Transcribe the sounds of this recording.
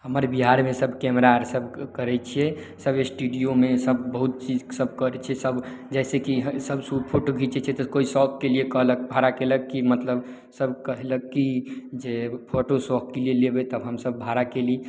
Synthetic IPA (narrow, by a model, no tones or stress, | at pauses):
ɦəməɾbiɦaɾmesəbkɛmɾaɾsəbʱkəɾɛt͡ʃʰiɛ | səbesʈuɖijomesəbbəɦut̪̚t͡ʃid͡ʒsəbʱkəɾɛt͡ʃʰɛsəb | d͡ʒɛsekiɦsəbsupʰoʈoɡʱit͡ʃʰɛt͡ʃʰɛt̪əkoisɔkːeliekəɦlək̚bʱaɾakeləkːimət̪ləb | səbkəɦləkːid͡ʒepʰoʈosɔkːelielebɛt̪əbɦəmsəbːʱaɾakeli